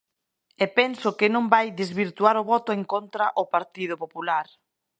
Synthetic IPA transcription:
ɛpɛnsʊkɪnõmbajd̪ezβiɾt̪uaɾʊβɔt̪ʊeŋkont̪ɾaʔʊpaɾt̪ið̞ʊpopulaɾ

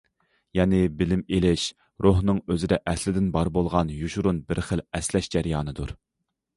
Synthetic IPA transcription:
jɛnɪbɪlɪmelɪʃ | ɾoɦnɨŋøzɪd̪ɛʔɛslɪd̪ɪnbɑɾbolˠʁɑnjuʃuɾunbɪɾχəlɛslɛʃd͡ʒɛɾjɑːnɨd̪uɾ

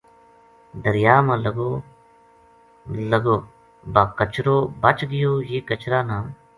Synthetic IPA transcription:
d̪əɾjaːmãːlɡo | ləɡoː | baːkət͡ʃɾoːbət͡ʃɡɪjoːjeːkət͡ʃɾaːnaːm

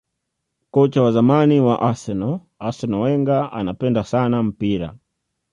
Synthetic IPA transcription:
kɔt͡ʃawazamaniwaʔasɛnɔ | asɛnɔwɛŋɡaʔa̰napɛndasanam̩piɾa̰

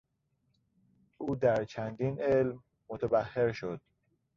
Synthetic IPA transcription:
ʔuːd̪æɾt͡ʃʰænd̪iːnelmː | ot̪ʰæbæhːeɾʃod̪̥

